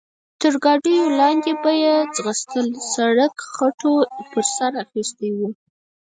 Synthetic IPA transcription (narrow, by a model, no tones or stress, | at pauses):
t̪əɾɡɑɖəjolɑnd̪ebɑjezɣəst̪əlsaɽakxaʈʰopəɾsaɾaxist̪ewu